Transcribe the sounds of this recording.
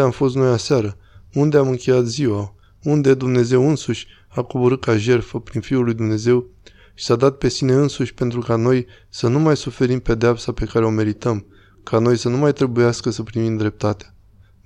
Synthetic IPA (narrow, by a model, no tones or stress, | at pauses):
eamfo̞st̪nojasaɾəund̪e̞amɨŋkʲe̞jat̪ziwa | und̪e̞d̪umne̞ze̞wɨnsuʃʲ | akoboɾɨt̪̚kaʒe̞rfəpɾinfiulːujd̪umne̞ze̞w | ʃi̥sad̪at̪̚pe̞sine̞ɨnsuʃʲpe̞nt̪ɾukano̞j | sənumajsufe̞ɾimpe̞d̪eapsape̞kaɾe̞o̞me̞ɾit̪əm | kʰano̞jsənumajt̪ɾe̞bujaskəsəpɾimimd̪ɾe̞p̚t̪at̪ea